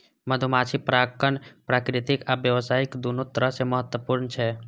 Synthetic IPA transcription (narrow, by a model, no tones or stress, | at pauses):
məd̪ʱumat͡ʃʰipɾakənpɾakɾɪt̪ɪkabjəʋsaːɪkd̪unot̪ɾəseməɦət̪wəpuɾnt͡ʃʰɛ